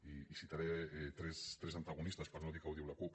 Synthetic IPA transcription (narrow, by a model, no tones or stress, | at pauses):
iːsit̪aɾet̪ɾest̪ɾesant̪aɣ̞onist̪aspaɾnoðikawðiwlakup